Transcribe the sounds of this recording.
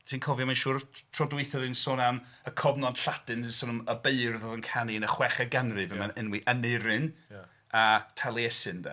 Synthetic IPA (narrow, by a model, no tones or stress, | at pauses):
tʰiːnkʰɔvjɔmanʃuːrtʰr̥ɔdwɪɨθɔðɨnsʊːnam | əkʰɔbnɔd̥ɬadɨnɪnsʊːnaməbeɨrðɔðənkʰaniənəχwɛχəɡanrɨvɛmanənwiʔənɪɾɨn | atʰalˠiɛsɨndɛ̰